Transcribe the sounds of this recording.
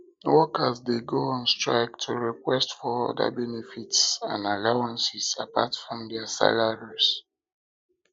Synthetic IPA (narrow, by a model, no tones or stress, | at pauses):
wɔkəsdeɡoãnstɹa̰ɪktʰuɹikwɛstfɔɔ̰da̰bɛnɛfitsã̰nalawãnsisapa̰tfɹɔ̃mdɛasa̰laɹis